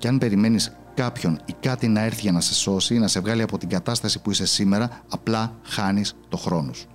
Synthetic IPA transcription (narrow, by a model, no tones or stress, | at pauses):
cɐnpe̞ɾime̞nis | kɐpço̞nikɐt̪inɐe̞ɾθiʝɐnɐse̞so̞sinɐse̞vɣɐliɐpo̞t̪iɡɐt̪ɐst̪ɐsi̥puise̞sime̞ɾɐːplɐxɐnist̪o̞xɾo̞nosu̥